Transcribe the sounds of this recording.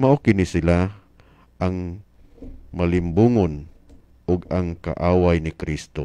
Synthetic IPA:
maʔokɪnɪsɪla | ʔaŋ | malɪmbuːŋon | ʔʊɡaŋka̰ʔaːwajnɪkɾist̪o̰

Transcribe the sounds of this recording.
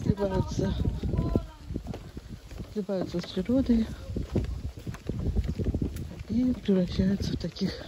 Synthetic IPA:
slʲɪbajʊt̪sə | slʲɪbajʊt̪səspɾʲɪɾod̪əj | ipɾʲɪvɾɐɕːæjʊt̪səft̪ɐkʲix

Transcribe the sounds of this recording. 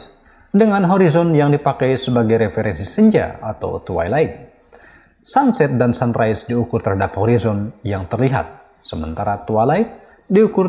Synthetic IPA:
dəŋanɦoɾizɔnjaŋdipakajsəbaɡajɾefeɾɛnsisəɲd͡ʒa̰at̪a̰wt̪uwa̰jlaik̚ | sansɛt̪̚dansanrajsdiukʊrt̪əɾɦadaphɔɾizɔnjaŋt̪ərliɦa̰t̪̚ | səmə̰nt̪aɾat̪ualaɪk̚ | diukʊr

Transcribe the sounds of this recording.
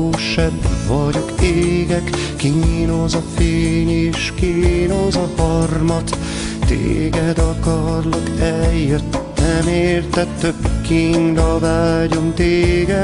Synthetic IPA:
oːʃɛbːɒɟo̞keːɡɛkː | inozɒfeːɲeːʃkinoːzɒhɒrmɒt̪ | t̪ḛːɡɛd̪ɒkɒrlɒkɛljøt̪ːɛmeːrt̪ɛtt̪ːøkːiŋɡɒvaːɟo̞mt̪eːɡɛ

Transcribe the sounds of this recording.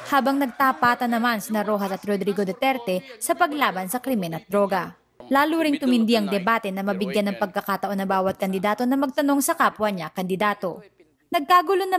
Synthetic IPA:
haːbɐŋnɐɡ̚t̪aːpaːt̪ɐnɐmansɪnɐɾoːɦɐsɐt̪ɾod̪ɾiɡod̪ɛt̪ɛɾt̪ɛsɐpɐɡlaːbɐnsɐkɾɪmɛnɐt̪̚d̪ɾo̞ːɡɐ | laːluɾɪŋt̪ʊmɪnd̪iʔɐŋd̪ɛbaːt̪ɛnɐmɐbɪɡjanːɐŋpɐɡ̚kɐkat̪ɐʔo̞nːɐŋbaːwɐt̪̚kɐnd̪ɪd̪aːt̪o̞nɐmɐɡ̚t̪ɐno̞ŋsɐkaːpwɐɲakɐnd̪ɪd̪aːt̪o̞ | nɐɡ̚kaːɡʊlonɐ

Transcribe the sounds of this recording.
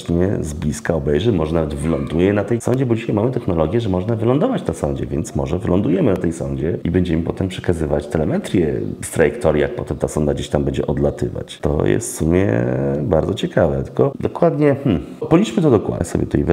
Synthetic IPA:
ɲɛ̰zblʲiskaɔbɛjʐɛmɔʐɛnavɛd̪vɘlɔnd̪ujɛnat̪ɛjsɔɲd͡ʑɛbɔd͡ʑiɕajmamɘt̪ɛxnɔlɔɡʲjɛʐɛmɔʐnavɘlɔ̃nd̪ɔvat͡ɕt̪asɔɲd͡ʑɛ̰vʲjɛnt̪smɔʐɛvɘlɔnd̪ujɛmɘnat̪ɛjsɔ̰ɲd͡ʑɛibɛɲd͡ʑɛmɘpɔt̪ɛmpʂɛ̥kazɘvat͡ɕt̪ɛlɛmɛt̪ɾʲjɛ̰st̪ɾajɛkt̪ɔɾjijak̚pɔt̪ɛmt̪asɔnd̪aɡd͡ʑeɕt̪ambɛɲd͡ʑɛ̰ʔɔd̪lat̪ɘ̰va̰t͡ɕt̪ɔ̰jɛ̰st̪sumʲjɛ̰baɾd̪ɔt͡ɕɛkavɛ̰t̪ɘ̥kɔd̪ɔkwad̪ɲɛmm̩pɔlʲit͡ʂmɘt̪ɔd̪ɔkwa̰sɔbʲjɛ̰t̪ɛ̰jv

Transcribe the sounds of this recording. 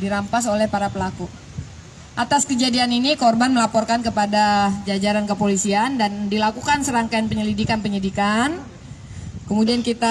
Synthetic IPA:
diɾampas̬olɛhpaɾapəlaku | ʔat̪askəd͡ʒadianinikɔrbanməlapɔrkankəpadad͡ʒad͡ʒaɾankəpolisiandandilakukansəɾaŋkajanpəɲəlidikanpəɲədikan | kəmudiankit̪a

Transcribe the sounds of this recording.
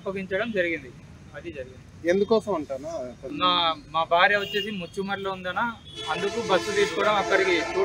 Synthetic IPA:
pːɐɡiɲt͡ʃɐɽɐmd͡ʒɐɾiɡind̪i | ɐd̪id͡ʒɐɾiɡind̪iend̪ukɔːsɐmɐɳʈaːnanaːmaːbʱaːɾjɐʋot͡ʃːe̞ːs̬imot͡ʃːumɐɾloːund̪ɐnaːɐnd̪ukuːbɐsːut̪iːskɔːɐɽɐmɐkːɐɽiki

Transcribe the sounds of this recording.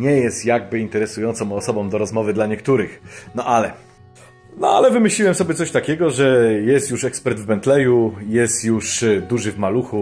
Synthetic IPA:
ɲɛjɛst̪jaɡ̚bɘint̪ɛɾɛsujɔnt̪sɔ̃wɔsɔbɔ̃md̪ɔɾɔzmɔvɘd̪laɲɛk̚t̪uɾɘxnɔʔalɛ | nɔalɛvɘmɘɕlʲiwɛmsɔbʲjɛt̪ɔɕt̪akʲɛɡɔʐɛjɛst̪juʂɛkspɛɾd̪vbɛnt̪lɛjujɛst̪juʂd̪uʐɘvmaluxu

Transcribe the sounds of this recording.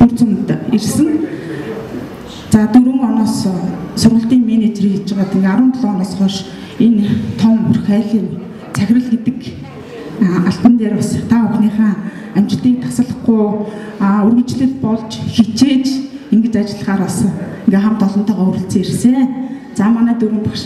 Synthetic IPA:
t̪ur̥t͡sumt̪ersɘ̆n | t͡saːt̪uɾɘ̆ŋɔnɔːssʊrʁə̆ɬt̪iːŋmenet͡ɕeriːxit͡ɕɪ̆ʁaːt̪ʰĭŋɡeaɾʊːnt̪ʰɮɔːnɔːsχɔʃ | ent̪ʰɔmɵrxæːɮiːn | t͡sʰæxʲrə̆ɮɡet̪ɘ̆k | aɬp̪ə̆nt̪eːɾɔsə̥̆χt̪ʰaʊxniːχaː | æm̥t͡ɕɪ̆ɮt̪iːk̚t̪ʰḁsə̆ɮə̆χɡuj | ɵrɣɵ̆t͡ɕɮɘ̆ɮpɔɮt͡ɕxit͡ɕeːt͡ɕeŋɡɘ̆t͡ɕat͡ɕɪ̆ɮ̆ʁaːɾɔsɞ̆eŋɡeːχamt̪ɔɮɞ̆nt̪œːʁɔːuɾɘ̆ɬt͡seːirseː | t͡saːmanæːt̪uɾwɘ̆ŋpaʃ

